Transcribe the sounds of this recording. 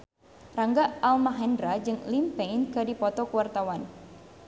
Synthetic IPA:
raŋɡaalmaɦɛndɾad͡ʒɨŋlimpɛinkɨdipɔt̪ɔkuwart̪awan

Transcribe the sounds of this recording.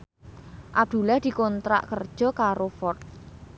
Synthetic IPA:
ʔab̚d̪̥ulahd̪̥i̤kɔnt̪ɾa̰ʔkərd̥ʒ̥ɔ̤kaɾofɔt̪̚

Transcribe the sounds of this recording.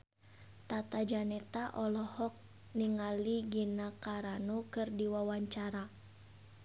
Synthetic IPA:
t̪at̪ad͡ʒanɛt̪aʔɔlɔhɔk̚ | niŋaliɡinakaɾanukɨrdiwawaɲt͡ʃaɾa

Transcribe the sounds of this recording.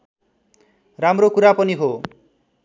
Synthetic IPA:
ɾamɾokuɾapɔniɦo

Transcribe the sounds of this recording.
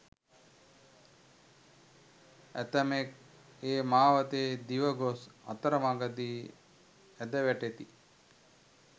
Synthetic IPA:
æ̰t̪əmek | eːmaːʋɐt̪eːd̪iʋəɡosɐ̰t̪ɐɾɐmaɡəd̪iː | æd̪əʋæʈet̪i

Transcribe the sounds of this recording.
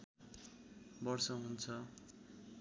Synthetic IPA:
bʌrsʌɦunt͡sʰʌ

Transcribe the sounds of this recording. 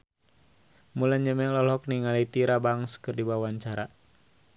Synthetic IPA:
mulaɲd͡ʒəmɛlɔlɦɔkniŋalit̪iɾabaŋskɨrdibawaɲt͡ʃaɾa

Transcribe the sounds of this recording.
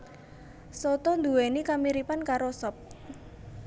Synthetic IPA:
sɔt̪ɔnd̪uwenikamiɾipankaɾosɔp̚

